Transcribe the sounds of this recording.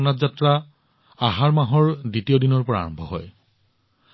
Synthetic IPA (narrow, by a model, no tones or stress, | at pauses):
natzatɹa | aɦaɹmaɦɔɹditiodinɔɹpɔɹa̰ɹɔ̃mbʱɔɦɔ̰j